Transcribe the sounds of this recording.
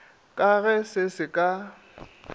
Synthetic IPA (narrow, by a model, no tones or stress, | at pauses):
kʼaɣɛsɪsɪkʼa